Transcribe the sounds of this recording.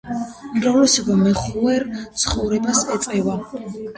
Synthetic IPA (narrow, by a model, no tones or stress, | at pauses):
umɾavlɛsɔbamɛχɛɾt̪sʰχɔvɾɛbasɛt̪sʼɛva